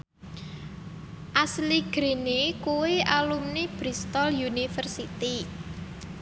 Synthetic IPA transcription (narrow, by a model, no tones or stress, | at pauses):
ʔasliɡ̥ɾe̤nekuweʔalumneb̥ɾist̪ɔljunifərsit̪i